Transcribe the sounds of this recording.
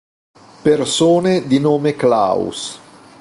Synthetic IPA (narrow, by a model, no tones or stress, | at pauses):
persoːned̪inoːmekla̰w̰s